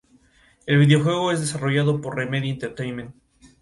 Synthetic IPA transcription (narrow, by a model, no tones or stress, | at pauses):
e̞lβiðeo̞xwe̞ɣ̞o̞e̞zðe̞saro̞ʝaðo̞po̞ɾremeðjoint̪eɾt̪ejnment̪